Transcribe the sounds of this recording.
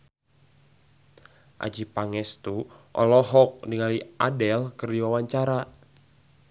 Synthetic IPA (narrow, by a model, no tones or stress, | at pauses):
ʔa̰d͡ʒipaŋɛst̪uʔɔ̰lɔɦɔk̚niŋalia̰dɛlkɨrdiwawaɲt͡ʃaɾa